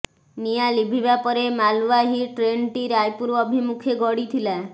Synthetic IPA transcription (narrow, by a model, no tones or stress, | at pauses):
nijalibʱibapɔɾemaluʋaɦiʈɾeɳʈiɾajpuɾɔbʱimukʰeɡɔɽit̪ʰila